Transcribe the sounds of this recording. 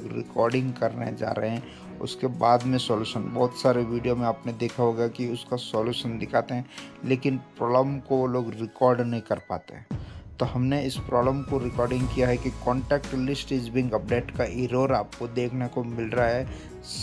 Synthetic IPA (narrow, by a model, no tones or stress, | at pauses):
ɡɾɪ̰kɔːɾɖɪ̃ŋɡkɐɾnḛd͡ʒa̰ːɾəɦeɦɛ̃ | ʊ̰skebaːd̪mẽsɔːluːʃənbɔːt̪saːɾeʋiːɖijomẽaːpned̪eːkʰaɦoɡjakiʊskasɔːljuːʃənd̪ɪkʰaːt̪eɦɛ̃leːkɪnpɾɔːləmkoʋoloːɡɾɪkɔːɾɖnɐɦĩkɐɾpa̰ːt̪ḛɦɛ̃t̪ohɐmneɪspɾɔːbləmkoɾɪkɔːɾɖɪ̃ŋɡkijaɦɛkikɔ̃ːɳʈɛːkʈlɪsʈed͡ʒbɪ̃ŋɡɐp̚ɖeːʈkaɪɾoːɾaːp̚kod̪eːkʰnekomɪlɾaaɦɛː | s